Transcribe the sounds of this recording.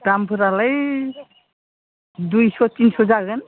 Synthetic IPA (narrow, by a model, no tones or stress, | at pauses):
dampʰɯɾalaj | dujsɔt̪insɔzaɡɯn